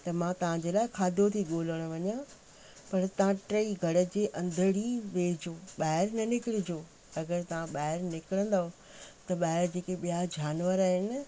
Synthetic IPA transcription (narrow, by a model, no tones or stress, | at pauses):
t̪ɐmãt̪ɐʋ̤ãd͡ʑeːlaːɪkʰaːd̪ʱot̪ʰiɠoːləɽ̃ʊ̆ʋɐɲã | pɐɾt̪ɐʋãʈɾɐiɡʱɐɽə̆d͡ʑeːʔɐ̃nd̪ʱəɽiʋeːd͡ʑoːɓaːɦɪɾnɐnɪkɪɽɪd͡ʑoː | ɐɡəɾt̪ɐʋ̤ãɓaːɪɾnɪkɪɽə̃nd̪aɦo | t̪ɐɓaːɦɪɾd͡ʑeːkeɓijad͡ʑaːnʋəɾaːɦɪnɪ̆